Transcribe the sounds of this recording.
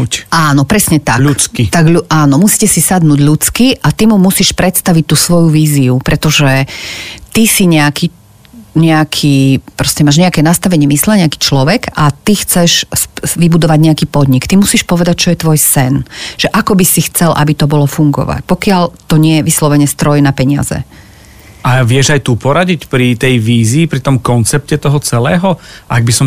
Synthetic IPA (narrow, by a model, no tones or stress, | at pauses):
ʔaːnɔpɾɛsɲɛt̪aʎut͡skit̪aɡʎuaːnɔmusi̥ːcɛsisad̪nuːɟʎut͡skiʔat̪imumusiʃpɾɛt̪st̪aʋic̚t̪uːsʋɔjuʋiːziupɾɛt̪ɔʒɛ | t̪isiɲɛaki | ɲɛakʰiːpɾɔscɛmaːʒɲɛakɛːnast̪aʋɛɲɪɛmislɛɲɛaki̥ːt͡ʃlɔʋɛɡat̪ixt͡sɛʃsʋibud̪ɔʋaɟɲɛakiːpɔd̪ɲikt̪imusiːʃpɔʋɛd̪ac̚t͡ʃɔjɛt̪ʋɔjsɛnʒ̥ɛʔakɔbisixt͡sɛlʔa̰bit̪ɔbɔlɔfuŋɡɔ̰ʋa̰cpɔkɪaʎt̪ɔɲɪɛjɛʋislɔʋɛɲɛst̪ɾɔjnapɛɲɪa̰zɛ̰ | ʔaʋɪɛʒajt̪upɔɾaɟicpɾit̪ɛjʋiːziːpɾit̪ɔmkɔnt͡sɛp̚cɛt̪ɔɦɔt͡sɛlɛːɦɔʔaɡ̚bisɔm